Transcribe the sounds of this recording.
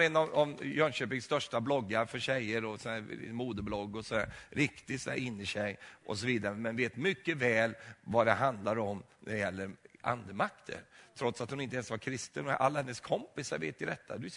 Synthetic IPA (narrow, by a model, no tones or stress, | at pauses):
ɛnːɑvavjœnɕøːpɪŋst̪œʂʈablɔɡːaɾfœɕɛjːəɾɔsɔæːɾɪ̰muːd̪əblɔɡːɔsɔd̪æ̰ːɾɾɪkt̪ɪsɔd̪æ̰ːɾɪnːɪɕɛjʔɔ̰sɔviːd̪aɾəmɛnveːt̪mʏkːəvɛːlvad̪ɛɦand̪laɾɔm | nʔæ̰d̪jɛlːəɾʔa̰nd̪əmakt̪ʰə̰ɾt̪ʰɾɔt̪sat̪hʊnɪnt̪əɛːnsvaɾkʰɾɪst̪ənʔa̰lːahɛnːəskʰɔmpɪsaɾvḛːt̪ɪd̪ɛt̪ʰːa̰d̪ʉ